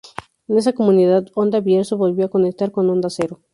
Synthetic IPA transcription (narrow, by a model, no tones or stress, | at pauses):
ene̞s̬ako̞muniðaðo̞nd̪aβjeɾseβolβjoako̞nek̚t̪aɾko̞no̞nd̪ase̞ɾo